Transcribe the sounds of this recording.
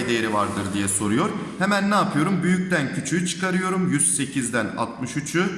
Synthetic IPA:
jd̪ejeɾivaɾd̪ɯɾd̪ijɛso̞ɾujo̞ɾhemænːaːpʰɯjo̞ɾumbyjyc̚t̪æncʰyt͡ʃʰyjyt͡ʃʰɯ̥kaɾɯjo̞ɾumjyz̥se̞cʰizd̪æna̰t̪̚mɯʃyt͡ʃʰu

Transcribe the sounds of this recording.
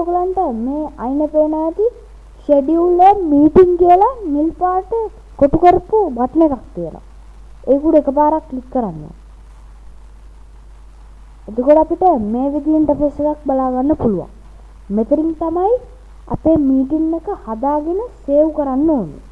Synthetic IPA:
okulanʈəmeːajnəpeːnaːt̪i | ʃeɖiulːemmiːʈiŋkijəlanilpaːʈə | koʈukoɾpuʋat̪nekakt̪ijəla̰ | eːkuɽekəpaːɾakːlikːəɾanːo̰ | ed̪əkoʈəapiʈəmeːʋid̪ijiɳʈɐpesekak̚balaːɡanːəpuluʋa̰ŋ | met̪ɐɾiŋt̪amaj | a̰peːmiːʈiŋːekəhad̪aːɡenəseːwkəɾanːoːlṵ

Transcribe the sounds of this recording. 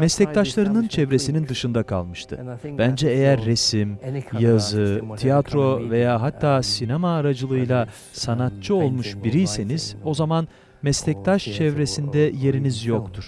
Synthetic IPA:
mɛslʲɛc̚t̪ʰaʃlˠaɾɯnɯnt͡ʃʰɛvɾe̞sinind̪ɯʃɯnd̪akʰa̰lˠmɯʃt̪ʰɯ̰b̥ænd͡ʒɛejæɾːe̞simjazɯt̪ʰijat̪ɾo̞ve̞jaːɦat̪ʰːaːsinemaːɾad͡ʒɯlˠɯɯjlˠa | sanat̪̚t͡ʃʰɯo̞lˠmuʃbiɾijse̞niz̥o̞zaman | mɛslɛc̚t̪ʰaʃt͡ʃʰɛvɾe̞sind̪ɛje̞ɾinizjo̞kt̪ʰuɾ̥

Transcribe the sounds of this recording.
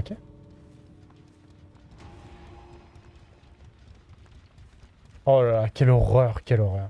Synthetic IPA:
kʲe | ɔlalakʲɛlɔʁœʁkʲɛlɔʁœːʁ

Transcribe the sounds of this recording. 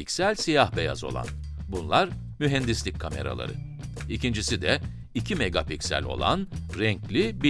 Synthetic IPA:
iksælʲsijahbe̞ja̰zo̞̰lˠa̰n | bunlˠaɾ | myɦɛnd̪islʲicʰame̞ɾa̰lˠa̰ɾɯ̰ | icind͡ʒisid̪ɛ | icʰimeɡapicsæ̰lʲo̞̰lˠa̰nɾɛɲclʲibi

